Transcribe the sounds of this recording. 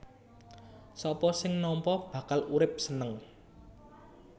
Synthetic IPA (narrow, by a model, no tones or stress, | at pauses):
sɔpɔsɪŋnɔmpɔb̥ä̤kaluɾɪp̚sənəŋ